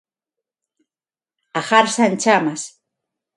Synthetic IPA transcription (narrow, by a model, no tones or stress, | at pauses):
axaɾsant͡ʃamas